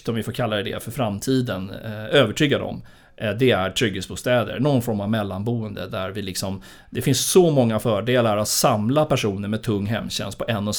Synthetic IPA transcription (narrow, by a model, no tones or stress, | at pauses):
t̪əɔmvɪfoːɾkʰalːaɛd̪ɛ̰fœɾfɾamt̪ʰiːd̪ənøːvəʈʰyːɡad̪ɔ̰m | ʔd̪ɛæɾʈʰɾʏɡhesbuːst̪ɛːd̪ə̰ɾnoɡɔnfɔɾmavmɛlːanbuːənd̪ə̰d̪æɾvɪlɪksɔm | d̪ɛfɪnssɔmɔŋːafœːɖeːlaɾat̪samlapʰæʂuːnəɾmɛd̪̚t̪ʰɵŋːɦɛ̰mːɕɛ̰nst̪̚pʰɔʔɛnːɔs